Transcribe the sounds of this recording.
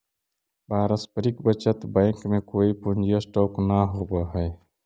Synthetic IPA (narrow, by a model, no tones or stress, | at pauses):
baːɾəspəɾikbət͡ʃət̪bə̃ɪŋkmẽkoːipʊnd͡ʒijəsʈoːknaɦoːbaɦɛː